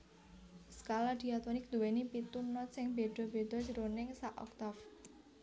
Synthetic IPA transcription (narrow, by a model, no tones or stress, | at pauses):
skalad̪̥iat̪ɔnɪk̚d̪̥uwenipit̪unɔt̪̚sɪŋb̥eɖ̪̥ɔ̤b̥ed̪̥ɔ̤d͡ʒəɾonɪŋsaʔɔ̰k̚t̪af